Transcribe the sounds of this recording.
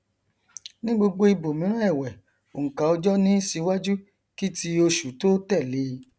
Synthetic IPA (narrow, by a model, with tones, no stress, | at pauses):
nĩ˦ɡ͡bo˧ɡ͡bo˧i˧bo˨mĩ˨˦ɾ̃ũ˦ɛ˦˨wɛ˨ | o˨ŋ̩˨ka˨ɔ˧d͡ʒɔ˦nĩ˦si˧wa˦d͡ʒu˦ | ki˦ti˧o˧ʃu˨to˦tɛ˦˨le˨˧˦